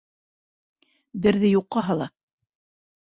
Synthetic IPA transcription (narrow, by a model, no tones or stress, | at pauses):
bɘ̆ɾðɘjuqːɑɦɑlˠɑ